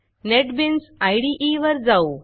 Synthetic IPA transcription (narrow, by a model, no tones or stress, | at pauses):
neʈbinsajɽiʔiʋəɾd͡zau